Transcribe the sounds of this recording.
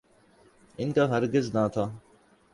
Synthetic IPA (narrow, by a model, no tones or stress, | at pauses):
ɪnkaːɦəɾɡɪznaːt̪ʰaː